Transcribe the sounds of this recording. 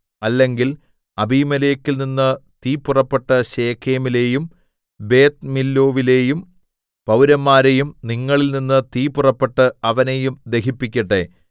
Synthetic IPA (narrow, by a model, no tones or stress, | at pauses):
ɐlːe̞ŋɡil | ɐbʱiːmɐleːkʲːilninːɨt̪iːpurɐpːeʈːɐɕeːkʰeːmile̞ːjum | be̞ːt̪̚milːo̞ːʋile̞ːjum | pɐwɾɐmːaːɾe̞jumniŋːɐɭilninːɨt̪iːpurɐpːeʈːɨɐʋɐne̞jumd̪e̞kipːikʲːɐʈːe